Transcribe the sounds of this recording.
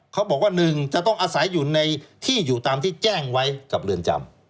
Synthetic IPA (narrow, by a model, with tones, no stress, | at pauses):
kʰa˦˥wbɔː˨˩k̚waː˥˩nɯ˨˩ŋt͡ɕa˨˩t̪ɔ˥˩ŋʔaː˧sa˩˦jːuː˨˩na˧jt̪ʰiː˥˩juː˨˩t̪aː˧mt̪ʰiː˥˩t͡ɕɛː˥˩ŋwa˦˥jka˨˩p̚lɯ˧ənt͡ɕa̰˧m